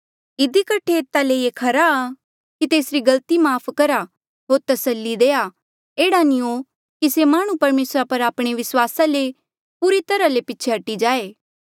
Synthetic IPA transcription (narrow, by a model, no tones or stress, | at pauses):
ɪd̪ikɐʈʰeːt̪ːaleekʰɐɾaː | kit̪eːsɾiɡɐlt̪imaːpʰkɐɾa | ɦoːɾt̪ɐsəlːid̪eːa | eːɽanio | kisemaːɽ̃ũpɐɾmeːsɾapɐɾaːpɽ̃eʋɪswaːsale | puːɾit̪ɐɾalepɪːt͡ʃʰeɦɐʈːid͡ʒaːeː